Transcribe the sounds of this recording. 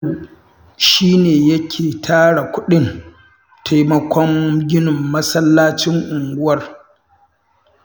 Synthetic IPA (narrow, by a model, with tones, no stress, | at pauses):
ʃiː˦neː˨jɐ˦kʲʰeː˨tʰaː˦ɽa˨kʷʊ˦ɗɪ˦n | tʰa˦jmɐ˦kʷɔ˦ŋɡʲɪ˦nʊ˨mːɐ˦sɐ˦lːaː˦t͡ʃɪ˦ŋʔʊ˨ŋɡʷʊ˦wɐ˦r